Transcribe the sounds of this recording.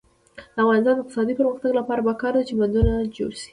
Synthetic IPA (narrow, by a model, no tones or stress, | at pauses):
d̪̥əafɣɑnɪst̪ɑnd̪əɪqt̪ɪsɑd̪ipəɾməxt̪aɡlapɑɾabakɑɾd̪at͡ʃeband̪unad͡ʒo̰ɽʃi̥